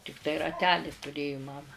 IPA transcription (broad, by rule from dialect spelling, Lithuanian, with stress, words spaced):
tʲɪkˈtɐɪ rɐˈtʲæːlʲiː tʊˈrʲeːjʊ ˈmɑːmɐ